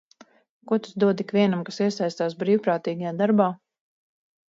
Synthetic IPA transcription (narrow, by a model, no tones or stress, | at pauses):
kuɔt̪u̥sd̪uɔd̪ikvʲiɛnamkasiɛsajst̪aːsbɾiːwpɾaːt̪iːɡajaːd̪aɾbaː